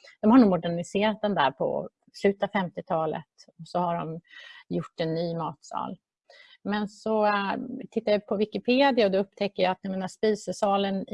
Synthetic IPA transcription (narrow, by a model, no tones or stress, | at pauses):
d̪̥ɔmhaɳuːɡmʊɖæɳɪseːɾat̪̚d̪ɛnd̪æ̰ːɾpʰɔ̰ | slʉ̟ːt̪avfɛmt̪ɪt̪ʰɑːlə̰t̪ɔsɔhaɖɔmjʊʈːɛnːyːmɑːt̪sɑ̰ːl | mɛnsɔt̪ʰɪt̪ːaɾjapʰɔvɪkɪpʰeːd̪ɪaɔd̪ɛɵpːt̪ʰɛkːəjaat̪̚nɛmeːnaʂpiːsəʂɑːlən